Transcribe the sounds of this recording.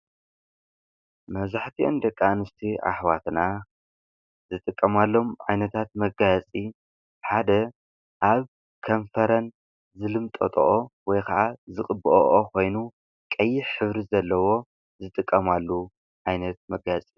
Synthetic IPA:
mɐβzaħt̪ʰiʔo̰nd̪ɐkʼːanɨst̪ʰiʔa̰ħwat̪na | zɨt̪ʼɨkʼːɐmalːo̞mʕajnɐt̪ʰat̪̚mɐɡat͡sʼi | ħad̪ɐ | ʔaβ | kʰɐnfɐɾɐn | zɨlɨmt̪ʼo̰t̪ʼo̰ʔowɔjkʰaʕazɨχʼɨbɨʔoʔokʰo̞jnu | kʼɐjːɪħħɨβɾizɐlːɐwo̞ | zɨt̪ʼɨkʼːɐmalːu | ʕajnɐt̪̚mɐɡat͡sʼi

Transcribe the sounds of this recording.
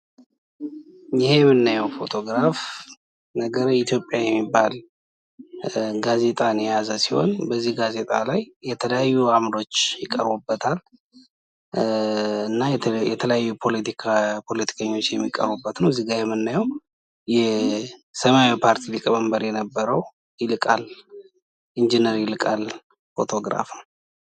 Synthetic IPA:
jɪhejɛmːɨnːajɛwfo̞t̪ʰo̞ɡɾaf | nəɡəɾit̪ʰjo̞pʼjajɛmːibːal | ɡaze̞t̪ʼanɛjazəsiho̞̰nbəzːihɡaze̞t̪ʼalajːɛt̪ʰələjajːuamɾo̞t͡ʃːjɪkʼːə̰ɾbubːət̪ʰal | ɨnːajjɛt̪ʰələjajːupʰo̞lət̪ʰikʰapʰo̞lət̪ʰi̥kʰəɲːo̞t͡ʃːjɛmːikʼːə̰ɾβbubːət̪nəwziɡajɛmːɨnːajow | jɛ | səmawipʰaɾt̪ʰilɨkʼməmbəɾjɛnəbːəɾəw | jɪlɨkʼal | ʔind͡ʒinəɾjɪlɨkʼal | fo̞̰t̪ʰo̞ɡɾa̰fəw

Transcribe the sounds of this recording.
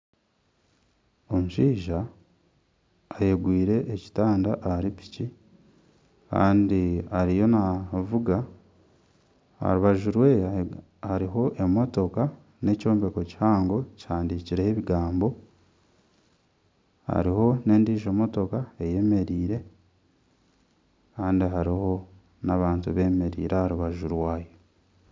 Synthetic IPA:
omuʃiːʒa | jeɡwiːɾe̞ːci̥taːndaʔaɾipi̥ci | ka̰ːndiaɾijo̞navuɡa | ha̰ɾuβaʒuɾwe̞ | aɾiɦo̞ʔe̞mo̞to̞ka | ne̞co̞ːmbe̞ko̞cihaːŋɡo̞chaːndiciɾeeβiɡaːmbo̞ | ha̰ɾiho̞ne̞ːndiːʒomo̞to̞kae̞je̞me̞ɾiːɾe̞ | kaːndiɦaɾiho̞ | naβaːntuβe̞ːme̞ɾḭːɾʔehaɾuβaʒuɾwaːjo

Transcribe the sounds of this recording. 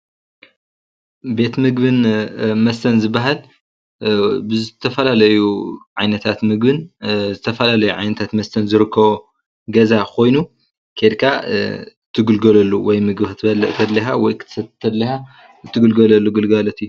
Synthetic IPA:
be̞t̪mɨɡbɨnmɐst̪ʰɐnzɨbːaɦal | bɨzɨt̪ʰɐfɐlalɐjuʕajnɐt̪ʰat̪mɨɡbɨnzɨt̪ʰɐfɐlalɐjuʕa̰jnɐt̪ʰat̪mɐst̪ʰɐnzɨɾɨkʰːɐβo | ɡɐzakʰo̞jnu | kʰed̪kʰa | t̪ʰːɨɡɨlɡɐlɐlːuwɔjmɨɡbt̪ʰbɐlɐʔt̪ʰɐd̪liɦawɔjk̪ɐt̪ʰɐd̪liha | ɨt̪ʰːɨɡɨlɡɐlɐlːuɡɨlɡɐlɐt̪ʰiju

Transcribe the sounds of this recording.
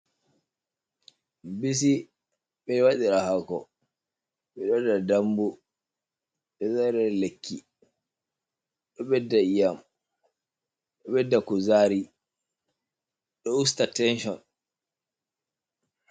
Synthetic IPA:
bis̬i | ɓɛwaɗiɾahakɔ | ɓɛɗɔdadambu | ɗɛzaɾɛɾlekʰːi | ɗɔɓɛdːaijam | ɗɔɓɛdːakuzaːɾi | ɗɔustatɛnʃɔn

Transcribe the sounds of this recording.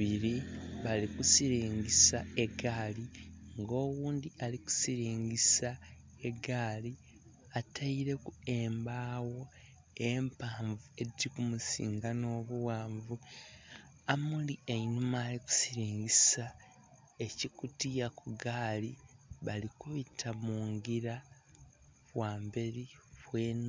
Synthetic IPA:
iɾiβalikusiɾiːɲɟisae̞ɡaːliŋɡo̞ːwuːndialiku̥siɾiːɲɟisa | e̞ɡaːli | atʰaiɾe̞kueːmbaːwo̞ | empaːɱvue̞dikumusḭːŋɡano̞ːβuwaːɱvu | amulieinumaːliku̥siɾiːɲɟisa | e̞cikutijakuɡaːliβalikuβitʰamuːŋɡiɾa | βwaːmbe̞ɾiβweːn

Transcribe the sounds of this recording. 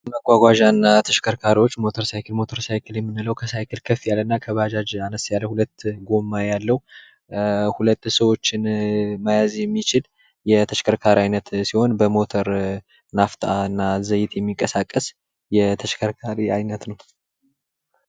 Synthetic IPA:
məɡʷaɡʷaʒanːat̪ʰəʃkʰəɾkʰaɾiwo̞t͡ʃːmo̞t̪ʰəɾsajkʰɨlmo̞t̪ʰəɾsajkʰɨljɛmːɨnːɨləwkʰəsajkɨlkʰəfːijalːɨnːakʰəβad͡ʒad͡ʒanəsjalːəhulət̪ːɡo̞mːajalːəhu | hulət̪ːsəwo̞t͡ʃːɪnmajazjɛmːit͡ʃɪl | jɛt̪ʰəʃkʰəɾkʰaɾiajnət̪siho̞nbəmo̞t̪ʰəɾ | naft̪ʰʼaɨnːazəjɪt̪jɛmːikʼəsakʼːəs | jɛt̪ʰəʃkʰəɾkʰaɾiajnət̪nəw

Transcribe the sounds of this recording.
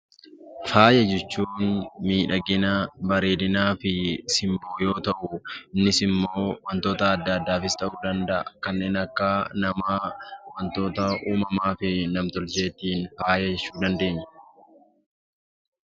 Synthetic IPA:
faːjɛd͡ʒɛt͡ʃːuːnmiːᶑɐɡɪnɐbɐɾeːd̪ɪnaːfɪsɪmboːjo̞ːt̪ɐʔʊɪnːɪsɪmːo̞ːwɐnt̪o̞ːt̪ɐːd̪ːɐːd̪ːaːfɪst̪ɐʔuːd̪ɐnd̪ɐʔɐkɐnːe̞ːnɐkːaːnɐmaːwɐnt̪o̞ːt̪ɐuːmɐmaːfɪnɐmt̪ɔlt͡ʃe̞ːt̪ːiːnfaːjɐd͡ʒɛt͡ʃːuːd̪ɐnd̪e̞ːɲːɐ̥

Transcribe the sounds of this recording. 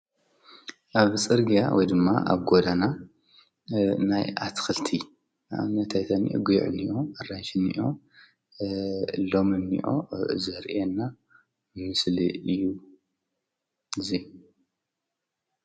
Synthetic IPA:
ʔaβt͡sʼɨɾɡija̰wɔjd̪ɨmːa̰ʔa̰βɡod̪ana | najat̪ʰxɨlt̪ʰi | a̰nːɐt̪ʰajt̪ʰanḭʔɡujʕɨ̰niʔoɨranʃɨnḭʔo | lo̞mɨnḭʔo̰zɐɾʔenːa | mɨmɨslɨ̰ɨjːu | ɨzi

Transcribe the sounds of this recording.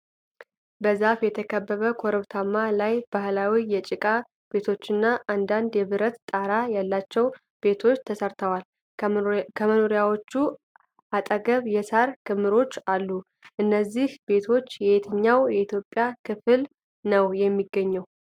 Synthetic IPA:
bəzafjɛt̪ʰəkʰəbːəβəkʰoɾəβt̪ʰamːalajb̥ahlawijɛt͡ʃʼɪkʼa | b̥e̞t̪ʰo̞t͡ʃːɨnːaʔand̪and̪jɛβɨɾət̪t̪ʼaɾajalːat͡ʃːɛw | b̥e̞t̪ʰo̞t͡ʃːt̪ʰəsəɾt̪ʰəwal | kʰəmənoɾijawo̞t͡ʃːu | ʔat̪ʼəɡəβjɛsaɾkʰɨmːɨɾo̞t͡ʃːalːu | ʔɨnːəzːihbe̞t̪ʰo̞t͡ʃːjɛet̪ʰəɲːawjɛit̪ʰjo̞pʼːjakʰɨfɨl | nəwjɛmːiɡːəɲːɛw

